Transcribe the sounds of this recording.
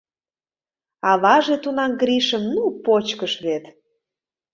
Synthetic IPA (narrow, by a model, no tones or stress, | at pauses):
ɑβɑʒet̪unɑmɡɾiʃəmnupot͡ɕkəʃβet̪